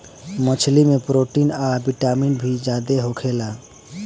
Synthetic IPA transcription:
mət͡ʃʰlimepɾoʈinabiʈaminbʱid͡ʒad̪eɦokʰela

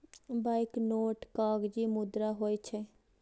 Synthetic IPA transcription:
baɪknoːʈkaːɡd͡ʒiːmʊd̪ɾaːɦoːit͡ʃʰɛ

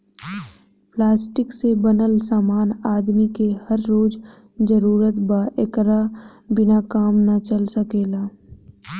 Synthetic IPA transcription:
plaːsʈɪksebɐnəlsaːmaːnaːd̪mikehɐɾːoːd͡ʒ | d͡ʒəɾuːɾət̪baʔekɾabɪnakaːmnat͡ʃəlsəkeːlaː

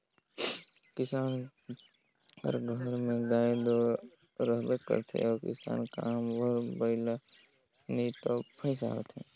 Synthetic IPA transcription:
kɪsaːn | kə̰ɾɡʱəɾmẽɡ̪aːed̪o | ɾəɦbət̪̚kə̰ɾt̪ʰḛɔːɾkɪsa̰ːnka̰mwəɾbəɪla | nit̪opʰəɪs̬a̰ːt̪ʰɛ̃ː

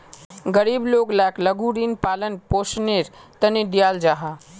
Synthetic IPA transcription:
ɡəɾibloɡlakləɡuɾiːnpaːlənpoːsneɾt̪ənid̪ijaːld͡ʒaɦa

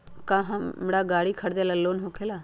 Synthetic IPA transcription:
kãːɦãmɽaːɡaːɽiːkʰəɽd̪elaːloːnɦoːkʰeːlaː

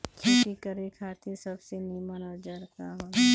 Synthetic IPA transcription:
kʰipikəɾekʰaːt̪isɐbseniːmənɔːɾd͡ʒɐɾkaɦo

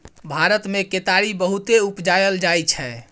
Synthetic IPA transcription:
bʱaɾət̪meket̪aɾibəɦut̪eupd͡ʒajəld͡ʒajt͡ʃʰɛ

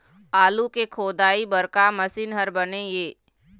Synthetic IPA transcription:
aːlukekʰoːd̪aːibəɾkamɐsinɦəɾbɐnejeː

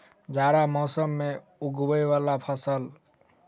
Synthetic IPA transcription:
d͡ʒaɾamɔsəmːe | uɡbəjwalapʰəsəl

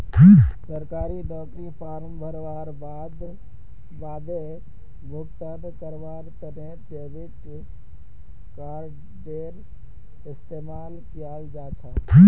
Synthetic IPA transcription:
səɾkaɾiɖɔkɾipʰaɾəmbʱəɾʋaɾba | d̪ | bad̪e | bʱukt̪əd̪kəɾʋaɾt̪əɾẽ | ɖebʱiʈ | kaɾ | ɖeɾ | ɪst̪emalkijald͡ʒat͡ʃʰə

